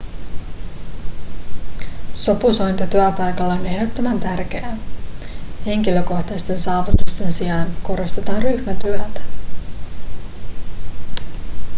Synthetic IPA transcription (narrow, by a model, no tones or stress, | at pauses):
so̞puso̞jnt̪ɑt̪yæpɑjkɑlːɑone̞hdo̞t̪ːo̞mænt̪ærk̟e̞æ | he̞ŋkilø̞ko̞xt̪ɑjst̪e̞nsɑːʋut̪ust̪e̞nsijɑnko̞ɾo̞st̪e̞t̪ɑːnryçmæt̪yæt̪æ̥